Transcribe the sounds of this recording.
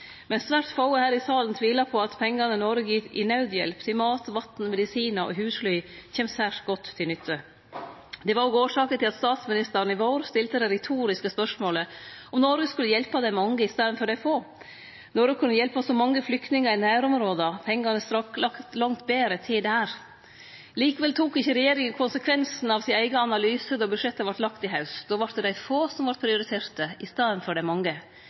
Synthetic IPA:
mɛnsʋæɾt̪fɑʊəhæːɾɪsɑːlənt̪ʰʋiːlɑpʰɔɑt̪pʰɛŋɡɑnənɔɾɡɪt̪ɪ̰nɑʉd̪jɛ̰lpt̪ʰɪlmɑːt̪ʋɑt̪n̩mɛd̪ɪsiːnɑʔɔ̰ɦʉːsflyʏçɛːmsæːʂɡɔt̪ʰːɪlʏt̪ʰːə | d̪ɛʋɑɾɔɡoːʂɑːkənt̪ʰɪlɑt̪st̪ɑːt̪smɪnɪst̪əɾn̩ɪʋoːɾst̪ɪlt̪əd̪ɛɾɛt̪ʰuːɾɪskəspœʂmoːləɔmnɔɾɡəskʉlːəjɛlpɑd̪ɛɪmɑŋːəɪst̪eːɾənfɔɖæɪfoː | nɔɾɡəkʰʉnːəjɛlpɑsɔmɑŋːəflʏkt̪nɪŋəɾɪnæːɾɔmɾoːd̪əpʰɛŋːɑnəst̪ɾɑklɑkt̪lɑŋt̪beːɾət̪ʰɪld̪ɛhæːɾ | liːkəʋɛlt̪ʰuːkɪçːəɾɛjeːɾɪŋənkʰʊnsəkʰʋɛnsn̩ɑʋsɪnæɪɡəɑnɑlyːsəd̪ɑbʉʂɛt̪ːəʋɑʈlɑkt̪ɪɦɑʉsd̪ɔːʋɑʈ̚d̪ɛd̪æɪfoːsɔmʋɑɾʈ̪̚pʰɾɪʊɾɪt̪ʰeːɾt̪əɪst̪eːd̪ənfɔɖæɪmɑŋːə

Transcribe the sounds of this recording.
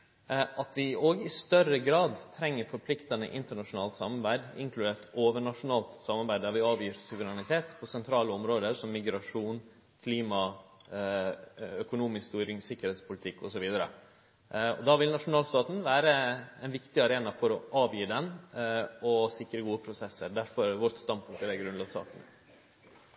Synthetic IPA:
ʔɑt̪ʰʋɪoːɡɪst̪œɾəɡɾɑːd̪t̪ʰɾɛŋːəɾfɔɾpʰlɪkt̪ɑnə̰ʔɪ̰nt̪əɳɑʂʊnɑːlt̪sɑ̰mɑɾbæɪd̪ɪ̰ŋkʰlʉd̪eːʈoːʋəɳɑʂʊnɑːlt̪sɑmːɑɾbæɪd̪d̪æɾʋɪɑːʋjiːɾsʊʋəɾænɪt̪ʰeːt̪pʰɔsɛnt̪ʰɾɑːləɔmɾoːd̪əɾsɔmːɪɡɾɑʂuːn | kʰliːmɑ | œkʊnuːmɪsst̪yːɾɪŋsɪkːəɾheːt̪spʰʊlɪt̪ʰɪkːɔsɔʋiːd̪əɾə̰ | ɔ̰d̪ɑʋɪlnɑʂʊnɑːlst̪ɑːt̪n̩ʋæːɾəɛɪnʋɪkt̪ɪɑɾeːnɑfɔɾɔʔɑːʋjiːɖ̪ɛn | ɔsɪkɾəɡuːəpʰɾʊsɛsəɾɖ̪æɾfɔɾʋɔɾt̪st̪ɑnpʰʉŋkt̪æɾæɡɾʉnɑːɡsɑ̰ːkənə̰

